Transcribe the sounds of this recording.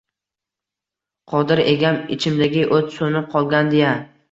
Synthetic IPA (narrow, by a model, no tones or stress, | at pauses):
qʰɒd̪ɪɾe̞ɡʲanɪt͡ʃʰɪmd̪aɡʲɪʔot̪sonɪqʰɒlˠɡʲand̪eja